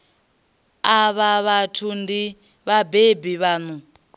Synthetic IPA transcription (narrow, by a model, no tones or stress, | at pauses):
aβaβatʰundi | βabebiβaːnu